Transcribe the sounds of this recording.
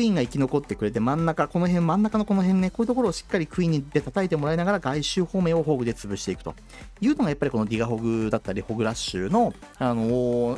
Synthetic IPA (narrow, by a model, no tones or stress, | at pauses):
ĩŋɡaikʲino̞ko̞t̪ːe̞kɯ̟ɾe̞t̪e̞mãnːakako̞no̞ɦẽ̞mːãnːakano̞ko̞noɦẽ̞nːeko̞ːjɯ̟t̪o̞ko̞ɾoːɕi̥kːaɾʲikɯ̟ĩɲ̟ːid̪e̞t̪at̪aet̪e̞mo̞ɾaenaɡaɾaɡaiɕɨːho̞ːmẽ̞oɦo̞ːɡɯ̟d̪e̞t͡sɨbɯ̟ɕi̥t̪e̞ikɯ̟̥t̪o̞̰ | jɯ̟ːno̞ɡajapːaɾʲiko̞noɾʲiɡaɦo̞ɡɯ̟d̪at̪ːaɾʲiho̞ɡɯ̟ɾaɕːɨ̰ːno̞ | ano̞